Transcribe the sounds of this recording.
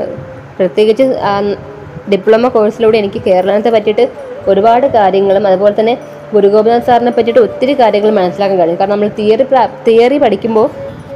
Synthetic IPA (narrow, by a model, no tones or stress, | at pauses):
prɐt̪jeːɣit͡ɕːɨaː | ɖipːɭɐmɐko̞ːɻɐsiluːɽeenikʲːɨke̞ːɾɐɭɐnɐt̪ːepɐtːiʈːɨ | o̞ɾubaːɽɨkaːɾjɐŋːɐɭumɐðubo̞ːle̞t̪ɐnːe̞ | ɡuɾuɣo̞ːbɐnansaːɾɐnɐpːɐtːiʈːɨo̞t̪ːiɾɨkaːɾjɐŋːɐɭumːɐnɐsːilaːkːaːnkaːɻiɲːkaːɾrɳnɐmːɐɭt̪ijript̪iːɐripɐʈʰikʲːumbo̞ː